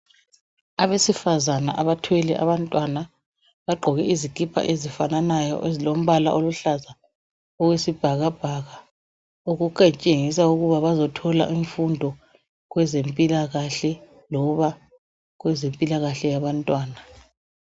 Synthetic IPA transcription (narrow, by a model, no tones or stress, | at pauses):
aβesifazanaʔaβatʰwɛlɛʔa̰βantʼwana | βaɡ͡ǃʱɔɣɛizikʼipʰa̰ʔezifananajɔ̰ʔezilom̩βala̰ʔoluɬaza | ɔɣwesib̥ʱaɣab̥ʱaɣa | uɣuǃʼet͡ʃʼeŋisauɣuβaβazɔtʰɔla̰ʔiɱfundʱɔ | ɣwɛzempʼilaɣaɬɛ | lɔβa | ɣwɛzempʼilaɣaɬɛjaβantʼwaːna